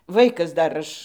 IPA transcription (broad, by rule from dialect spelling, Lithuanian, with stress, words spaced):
ˈʋɐɪkɐs ˈdɐr ˈɐʃ